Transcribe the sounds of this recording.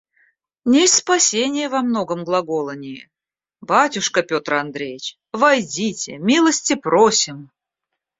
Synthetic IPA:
nʲesʲtʲspɐsʲenʲɪjəvɐmno̞ɡəmɡlˠɐɡo̞lˠənʲɪjə | batʲʊʂkəpʲo̞t̪rɐnd̪ɾʲejɪt͡ɕ | vɐjdʲitʲɪmʲilˠəsʲtʲɪprʔosʲɪm

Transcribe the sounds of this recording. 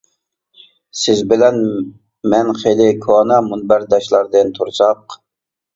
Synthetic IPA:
sɪzbɪlɛn | mɛnχelɪkʰonɑmunbæɾd̪ɑʃlˠɑɾd̪ɨnt̪ʰuɾsɑq

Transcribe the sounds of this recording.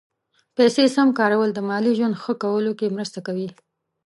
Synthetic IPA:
pɛsesamkɑɾawəld̪əmɑliʒwand̪xəkawəlokemɾəst̪akawi

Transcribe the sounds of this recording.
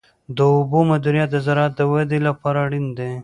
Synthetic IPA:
d̪əʊbomad̪uɾijat̪̚d̪əzaɾɑːt̪̚d̪əwad̪elapɑɾaɽind̪e

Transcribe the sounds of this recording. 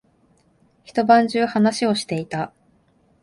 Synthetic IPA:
çi̥t̪o̞bãɲ̟d͡ʑɨːhanaɕio̞ɕi̥t̪e̞it̪a

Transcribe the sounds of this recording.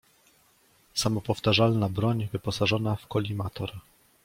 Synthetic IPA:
samɔpɔft̪aʐalnabɾɔɲvɘpɔsaʐɔnafkɔlʲimat̪ʰɔɾ

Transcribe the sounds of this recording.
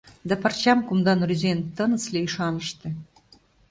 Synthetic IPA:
d̪æpə̆rt͡ɕɑmkumd̪ɑnryzent̪ɤ̆nə̆t͡slʲeiʃɑnəʃt̪ĕ

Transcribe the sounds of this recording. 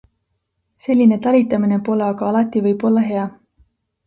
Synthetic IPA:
se̞lʲːine̞t̪ɑlʲit̪ːˑɑmine̞po̞leɑɡɑɑlɑt̪ːˑivɯjb̥o̞lːɑɦe̞ɑ

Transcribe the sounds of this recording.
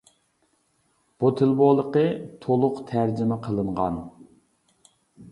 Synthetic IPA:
b̥ot̪ʰɪlˠbolˠəqət̪ʰolˠʊqt̪ʰæɾd͡ʒɪmɛqʰəlˠɨɴʁɑ̰n

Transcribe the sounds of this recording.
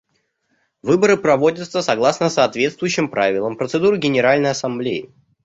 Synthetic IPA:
vɨbəɾɨpɾɐvo̞dʲət̪səsɐɡlˠasnəsɐːt̪vʲe̞t̪st̪vʊjʉɕːɪmpɾavʲɪlˠəmpɾət̪sɨd̪uɾɨɡʲɪnʲɪɾalʲnəjɐsɐmblʲeɪ̰

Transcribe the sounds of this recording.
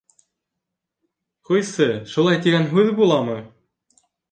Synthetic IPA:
χɤjsɘʃulˠɑjt̪iɡænɦʉðbulˠɑmɤ̆

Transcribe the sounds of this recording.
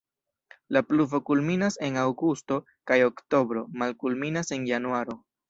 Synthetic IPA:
lapluvo̞kulminase̞nawɡusto̞ | kajo̞kto̞bɾo̞malkulminase̞njanuaɾo̞

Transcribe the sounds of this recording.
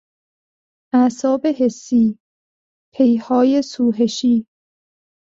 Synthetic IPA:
ʔæsɒːbeɦesːiː | pʰejhɒːjesuːɦeʃiː

